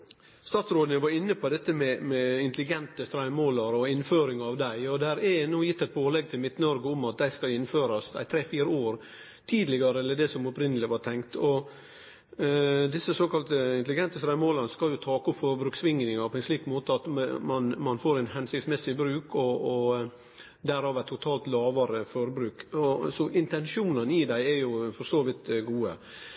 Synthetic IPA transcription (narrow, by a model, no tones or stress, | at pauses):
st̪ɑːt̪sɾoːd̪ənəʋɑɾɪnːəpʰɔd̪ɛt̪ːəmɛmɛɪnt̪əlɪɡɛnt̪əst̪ɾæɪmoːlɑɾɔɪnːføːɾɪŋɑʋd̪æɪɔd̪ɛhæɾɛnuːjɪt̪ːɛɪt̪̚boːlɛɡ̚t̪ʰɪlmɪt̪ːnəɔɾɡəʊmɑt̪̚d̪æɪskɑlɪnːføːɾɑsæ̰ɪt̪ʰɾeːfiːɾəoːɾ | t̪ʰiːd̪lɪɡɑɾəɛlːəɖɛsɔmɔpɾɪnəlɪʋɑʈ̪ʰɛŋkt̪ʰɔ | d̪ɪsːəsoːkɑlt̪əɪnt̪lɪɡɛnt̪əsɾæɪmoːlənskɑljʊt̪ʰɑːkʊfɔɾbɾʉːksʋɪŋnɪŋɑpʰɔɛnsliːkmoːt̪əɑt̪mɑnmɑnfoːɾæɪnɦɛnsɪkt̪smɛsɪbɾʉːkʰɔː | d̪æɾhɑːʋæt̪ʰːʊt̪ʰɑːlt̪lɑːʋɑɾəfɔɾbɾʉːkɔsɔʔɪnt̪ɛnʂuːnənɪd̪æɪɛɾjʊfɔɾsoːʋɪt̪ɡuːə̰